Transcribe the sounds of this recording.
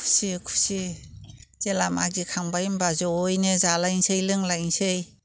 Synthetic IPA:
kʰu̥sikʰu̥si | zelama̰ɡikʰaŋbajmbazɔojnɯzalajŋsɯjlɯŋlajŋsɯj

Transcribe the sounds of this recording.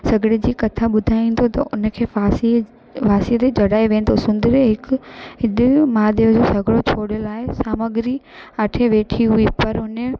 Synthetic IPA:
sɐɡɽed͡ʑiːkɐt̪ʰaɓʊd̪ʱaːĩːn̆d̪ot̪ɐʔʊnə̆kʰeːsi | ʋaːsiət̪ed͡ʑɐɽaːeʋẽːnd̪osʊ̃nd̪ɾeɦɪkɪɗmaːd̪eʊd͡ʑosɐɡʱɽot͡ɕʰoːɽjolaːɪsaːməɡɪɾi | aʈʰeʋeːʈʰiɦuipɐɾʊnə

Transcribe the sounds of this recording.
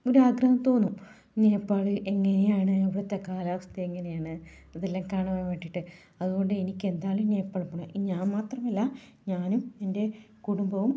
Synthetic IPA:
o̞ɾuaːɡrɐhɐmt̪o̞ːnːu | neːpːaːɭɨʔe̞ŋːɐnejaːɳɨeʋiɽet̪ːekːaːlaːʋɐst̪ʰɐeŋːɐne̞jaːɳɨɐðelːaːŋkaːɳɐmajmeːʈːiʈːɨ | ɐðuɣo̞ɳɖɨenikʲːe̞nd̪aːluneːjɐpːaːɭpːuɳɐiɲaːnmaːt̪rɐmɐlːɐ | ɲaːnumende̞ | kuɽumbɐʋum

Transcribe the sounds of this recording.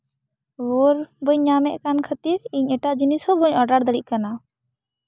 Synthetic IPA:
wɔɾbəɲːamɛʔkankʰət̪iɾiɲɛʈaʔd͡ʒinishɔbəɲɔɖaɽd̪əɽic̚kana

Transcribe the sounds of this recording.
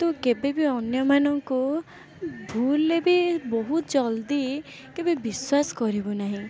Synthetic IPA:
t̪okebebiɔnjɔmanɔŋko | bʱulːebibɔɦut̪d͡zʌld̪i | kebebiswasɡɔɾibonaɦĩ

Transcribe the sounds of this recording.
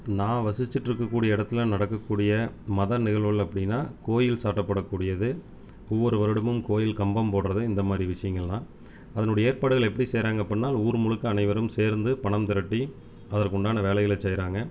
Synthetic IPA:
nãːʋɐsɪt͡ʃːɪʈːɪɾɯkːɐkːuːɽɪjɐɪɽɐt̪ːɪlnɐɽɐkːɐkːuːɽɪjɐmɐðɐnɪɣɐɭɐɭɐpːɐɽɪnːaːkoːjɪlsaːʈːɐpːɐɽɐkːuːɽɪjɐðɯ | ɔʋːɔɾɯʋɐɾɐɽɯmɯmkoːjɪlkɐmbɐmpoːɽɾɐðɯɪnd̪ɐmaːd̪ɾiʋɪʂɐjɐŋɡɐɭnãː | ɐðɐnʊɽɐjɐeːɾpaːɽɯɣɐɭɛpːɐɽiseːɾaːŋɡɐpːɐnːaːluːɾmʊɻɯkːɯɐnɐɪʋɐɾɯmseːɾnd̪ɯpɐɳɐmt̪ɐɾɐʈːi | ɐðɐɾkʊɳɖaːnɐʋeːlɐjɪlɐt͡ʃɛjɾaːŋɡɐ

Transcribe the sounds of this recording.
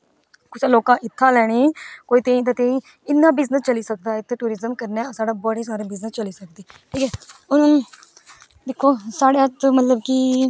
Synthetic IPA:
kʊt͡ʃːloːkãːʔɪt̪ʰːãːlɛːɽ̃iːkoːiːt̪ẽːĩːt̪ãːt̪ẽːĩː | ɪnːãːbɪznəst͡ʃəliːsək̚d̪aːɪt̪ʰːeʈuːɾɪzəmkəɾneːsaːɖaːbɔːɽeːsaːɾeːbɪznəst͡ʃəliːsək̚d̪iːʈʰiːkɛːʊn | d̪ekʰːoːsaːɽeːət̪ːmət̪ləbkiː

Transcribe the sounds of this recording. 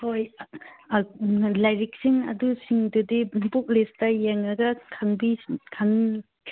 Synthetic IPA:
hoj | lajɾik̚siŋɐ̰dusiŋdudibuk̚listɐjeŋɐɡɐkʰaŋbikʰaŋ

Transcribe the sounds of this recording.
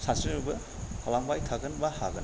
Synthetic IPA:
sasinubɐ | halaŋbajtʰaɡɐnbahaɡɐn

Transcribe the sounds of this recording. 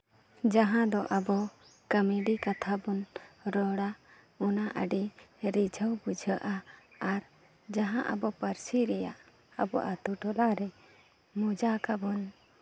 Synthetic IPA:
d͡ʒaɦãd̪ɔʔəbɔ | kəmiɖikat̪ʰabunɾɔɽa | unaʔə̰ɖiɾid͡ʒʱəwbud͡ʒʱəʔaːɾ | d͡ʒaɦãʔə̰bɔpəɾsiɾɛja̰ʔ | əbɔ̰ʔat̪uʈɔlaɾɛ | mud͡ʒakabun

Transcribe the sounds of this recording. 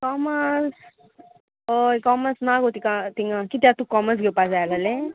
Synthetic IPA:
kɔməs | ojkɔməsnaɡot̪ikat̪iŋɡakit̪jat̪ukɔməs̬ɡʱewpad͡zajlale

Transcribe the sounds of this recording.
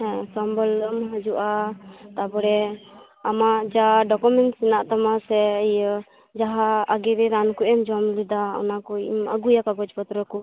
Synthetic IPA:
sɔmbɔlːəmɦəd͡ʒuʔat̪abɔɽɛ | amad͡ʒaɖɔkumɛnʈsɛnaʔt̪amasɛəjə | d͡ʒaɦaːɡɛɾɛɾankuʔɛmd͡ʒɔmlid̪aɔ̰nakɔimə̰ɡujakaɡɔd͡ʒpɔt̪ɾɔkɔ

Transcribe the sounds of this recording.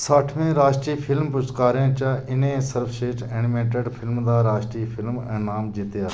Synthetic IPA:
saːʈʰmẽːɾaːʃʈɾiːpʰɪlmpʊst̪kaːɾẽːt͡ʃaɪnẽːsəɾfʃeːʈeːnɪmẽːʈeɖpʰɪlmd̪aːɾaːʃʈɾiːpʰɪlmɛ̃ːnaːmd͡ʒit̪eaː

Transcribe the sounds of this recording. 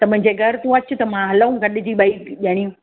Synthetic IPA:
t̪ɐmʊ̃ɦɪ̃ɲ̆d͡ʑeːɡʱɐɾt̪ũɐt͡ɕʊt̪ɐmãɦɐləũɡʱɐɗd͡ʑiːɓaikʄaɽ̃iũ

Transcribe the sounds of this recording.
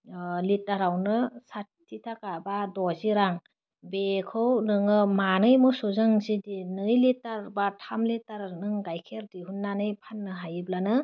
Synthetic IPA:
litaɾawnɯsatʰːitʰakabadɔziɾaŋ | bekʰɯwnɯŋɯmanɯjmɔsuzaŋzidinɯjlitaɾbatʰamlitaɾnɯŋɡajkʰeɾdiɦunːanɯjpʰanːɯɦajɯblanɯ

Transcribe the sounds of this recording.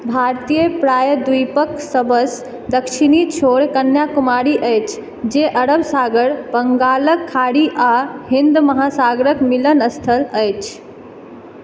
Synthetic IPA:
bʱaɾt̪ijəpɾajəd̪ujpəksəbəs | d̪əkʃʰinit͡ʃʰoɽkənjakumaɾiʔəjt͡ʃʰ | d͡ʒeʔəɾəbsaɡəɾbəŋɡaləkʰːaɽiʔaɦind̪məɦasaɡɾəkmilənəst̪ʰələjt͡ʃʰ

